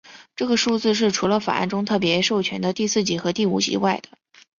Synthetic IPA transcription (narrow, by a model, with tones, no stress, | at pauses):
ʈ͡ʂɤ˥˩ɡə˩ʂu˥˧t͡sɹ̩˥˧ʂ̬ɻ̩˥˩ʈ͡ʂʰu˧˥lə˧fa̰˨˩a̰˥˩nʈ͡ʂʊ˥ŋt̪ʰɤ˥˩p̬jɛ˧˥ʂo˥˩ʊt͡ɕʰɥɛ˧˥nd̪ə˧t̪i˥˧sɹ̩˥˩t͡ɕi˨˩xɤ˧˥t̪i˥˩ṵ˨˩t͡ɕḭ˧˥wa˥˩ɪd̪ə˩